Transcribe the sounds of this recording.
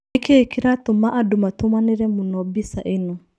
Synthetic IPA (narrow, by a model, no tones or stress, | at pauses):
keekiɾatomaʔadumatomaneɾɛmunɔbisaʔenɔ